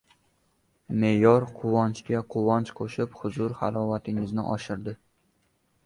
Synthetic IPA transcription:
mejɒɾqʰʊwɒnt͡ʃkʲaqʰʊwɒnt͡ʃkʰoʃɪphʊzʊɾha̰lˠɒvat̪ʰɪŋɪznɪ̰ʔɒ̰ʃɪɾd̪ɪ

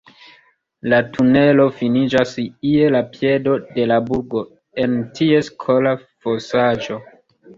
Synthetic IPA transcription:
latʰune̞lo̞finid͡ʒasie̞lapije̞do̞de̞labuɾɡo̞ | e̞ntʰie̞skʰo̞lafo̞sad͡ʒo̞

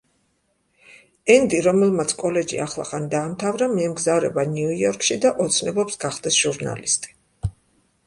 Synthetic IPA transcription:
ɛnd̪iɾɔmɛlˠmat̪sʰkʼɔlɛd͡ʒḭaχlˠa̰χand̪aːmt̪ʰavɾamiɛmɡzavɾɛ̰baniuɔɾkʰʼʃid̪aʔɔt̪sʰnɛbɔpsɡaχlˠd̪ɛsʒ̥uɾna̰list̪ʼi̥

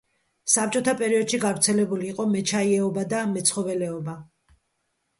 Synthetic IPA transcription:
sap̚t͡ʃʼɔt̪ʰapʼɛɾiɔd̪̥ʃiɡavɾt̪sʰɛlɛbuliːqʼɔmɛt͡ʃʰaiɛɔbad̪amɛt̪sʰχɔvɛlɛɔba

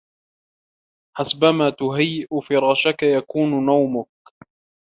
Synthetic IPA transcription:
ħasbamaːt̪ʊɦajːɪʔʊfɪɾˤɑːʃakajakuːnʊnawmʊk̚

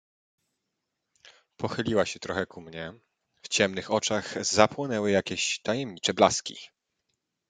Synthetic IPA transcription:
pɔxɘlʲiwaɕɛt̪ɾɔxɛkumɲɛ | ft͡ɕɛmnɘxɔt͡ʂaɣzapwɔnɛwɘjakʲeɕt̪ajɛmɲit͡ʂɛblaskʲḭ

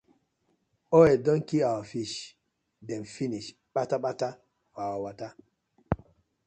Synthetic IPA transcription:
ɔɛdɔ̃ŋkiawafiʃ | dɛ̃nfiniʃ | ɓataɓata | awawata

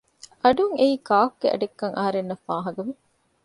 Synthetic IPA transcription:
ʔɐɖuŋeiːkaːkɡeʔɐ̰ɖekːɐŋʔɐ̰ɦɐɾenːɐfːaːɦɐɡɐʋi

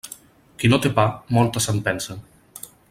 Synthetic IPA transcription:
kinot̪epamɔnt̪asamp̪ɛnsə

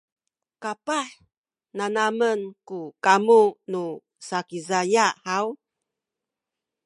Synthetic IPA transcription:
kapaħ | nanamənkukamunu | sakizajaʔhaw

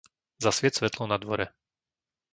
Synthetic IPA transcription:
zasʋɪɛt̪sʋɛt̪lɔnad̪ʋɔɾɛ

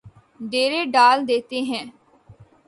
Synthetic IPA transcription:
ɖ̪eːɾeːɖaːld̪eːt̪eːɦɛ̃ː

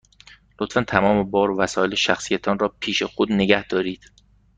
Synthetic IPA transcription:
lot̪fænt̪ʰæmɒːme̞bɒːɾovæsɒːjeleʃæxsiːjæt̪ʰɒːnrɒːpʰiːʃexod̪neɡæhd̪̥ɒːɾiːd̪̥

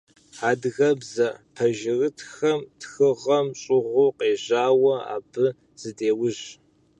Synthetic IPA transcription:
aːdɣɐbzɐpʰɐʒɪrɨtʰxɐmtʰxɨʁɐmɕʼɪʁʷʊqeːʑaːwɐa̰ːb̥ɨ | z̥ɨdʼeːwʊʑ

